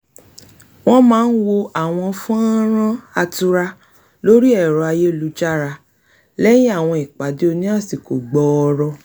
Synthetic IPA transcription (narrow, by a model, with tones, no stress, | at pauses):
w̃ɔ̃˦mãː˦n̩˦wo˧a˨w̃ɔ̃˧fũ˦a˦ɾ̃ã˦a˧tu˧ɾa˧ | lo˦ɾi˦ɛ˦˨ɾɔ˨a˧je˦lu˨˦d͡ʒa˦˨ɾa˧ | lɛ˦jĩ˦a˦˨w̃ɔ̃˧i˨k͡pa˨˦di˦o˧nĩ˦a˦˨si˨ko̰˨ɡ͡bɔ˨˦˧ɾɔ˧